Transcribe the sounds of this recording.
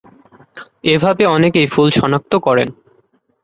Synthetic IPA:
ebʱabeɔnekejfulʃɔnak̚t̪okɔɾḛn

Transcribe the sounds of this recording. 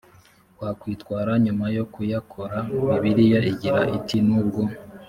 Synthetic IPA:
wakwiːtkwaːɾaɲumajo̞kujakʰo̞ɾaiβiɾijoiɟiɾaʔitinuːb̚ɡo̞

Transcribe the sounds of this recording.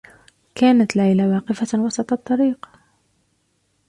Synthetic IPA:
kaːnat̪lʕajlawɑːqɪfawɑsˤɑt̪ˤt̪ˤːɑɾiːq

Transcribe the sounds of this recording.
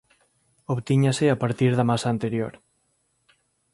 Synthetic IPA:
oβt̪iɲasɪapaɾt̪iɾðamasaːnt̪eɾjoɾ

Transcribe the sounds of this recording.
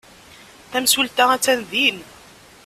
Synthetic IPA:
θæmsult̪ææt͡sːænðin

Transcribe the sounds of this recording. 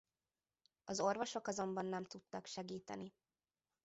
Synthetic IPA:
ɒzo̞rvo̞ʃo̞kɒzo̞mbɒnːɛmt̪ut̪ːɒkʃɛɡiːt̪ɛ̰ni

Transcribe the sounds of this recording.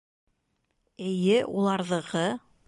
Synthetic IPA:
ɘ̆jɘʔulˠɑɾðɤ̆ʁɤ

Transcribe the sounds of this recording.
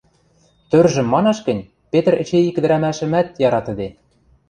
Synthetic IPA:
t̪ørʒɘ̆mːɑnɑʃkɘ̆nʲ | pet̪ə̆rɘ̆t͡ɕeikɘ̆d̪ɘɾæmæʃɘ̆mæt̪̚jɑɾɑt̪ə̆d̪e

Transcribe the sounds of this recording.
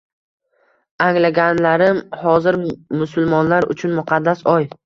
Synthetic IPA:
aŋlaɡʲanlaɾɪmhɒzɪɾmʊsʊlˠmɒnlaɾʊ̰t͡ʃʰʊnmʊqʰɑd̪ːasɒj

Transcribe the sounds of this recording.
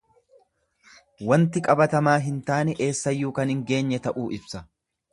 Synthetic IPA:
wɐnt̪ɪkʼɐbɐt̪ɐmaːɦɪnt̪aːnɛʔeːsːɐjːuːkɐnhɪŋɡe̞ːɲːɛt̪ɐʔuːɪbsɐ

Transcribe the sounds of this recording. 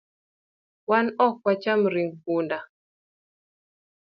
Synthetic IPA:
wanɔkwat͡ʃamɾiŋɡpunda

